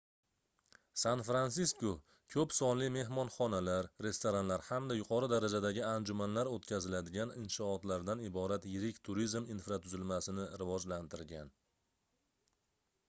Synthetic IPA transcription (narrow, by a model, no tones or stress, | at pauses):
sanfɾansisko | kʲʰɵpsɒnlɪme̞ɦmɒnχɒnalaɾɾe̞st̪oɾanlaɾhamd̪ajʊqʰɒɾɪd̪aɾad͡ʒad̪aɡʲɪand͡ʒʊmanlaɾot̪kʲʰazɪlad̪ɪɡʲanɪnʃɒːt̪laɾd̪anɪbɒɾat̪jɪɾɪkʲt̪ʰʊɾizminfɾat̪ʰʊzɪlmasɪnɪɾɪvɒd͡ʒlant̪ʰɪɾɡʲan